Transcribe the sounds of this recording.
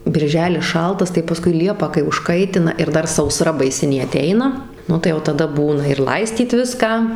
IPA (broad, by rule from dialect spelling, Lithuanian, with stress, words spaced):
bʲɪrʲˈʒʲæːlʲɪs ˈʃɐlˠtɐs tɐɪ pɐˈskʊɪ ˈlʲiɛpɑː kɐɪ ʊʃˈkɐɪtʲɪnɐ ɪr ˈdɐr sɐʊˈsrɐ bɐɪˈsʲɪnʲeː ɐˈtʲɛɪnɐ ˈnʊ tɐɪ jɛʊ tɐˈdɐ ˈbuːnɐ ɪr ˈlˠɐɪsʲtʲiːt ˈʋʲɪskɑː